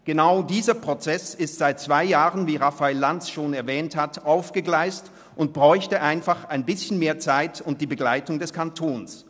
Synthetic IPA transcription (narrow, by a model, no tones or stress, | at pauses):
ɡ̥ənaʊdiːzɐpʁ̥ot͡sɛsɪstz̥aɪt̚t͡sv̥aɪjaːʁənviːʁafaɪlːant͡sʃoːnɛɐvɛːnthatʔaʊfɡ̥əɡlaɪst | ʔʊnt̚b̥ʁɔʏçtəʔaɪnfaχaɪnbɪsçən̩meːɐt͡saɪtʊnt̚d̥iːbəɡlaɪtʊŋdɛskʰantʰoːns